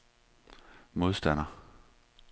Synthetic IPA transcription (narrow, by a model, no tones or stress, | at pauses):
mo̝ð̞ˠsd̥æn̰ɐ